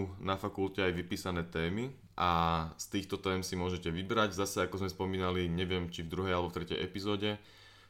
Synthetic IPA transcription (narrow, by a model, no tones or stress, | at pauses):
nafakulcɛajʋipiːsanɛːt̪ɛːmi | ʔast̪iːxt̪ɔt̪ɛːmsimʊɔʒɛcɛʋibɾaɟzasɛakɔzmɛspɔmiːnaliɲɛʋɪɛmt͡ʃivd̪ɾuɦɛjalɛbɔft̪ɾɛcɛ̰jʔɛpizɔːɟɛ